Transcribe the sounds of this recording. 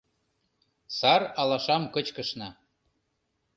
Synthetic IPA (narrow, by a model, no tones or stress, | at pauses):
sɑrɑlɑʃɑmkɤ̆t͡ɕkə̆ʃnɑ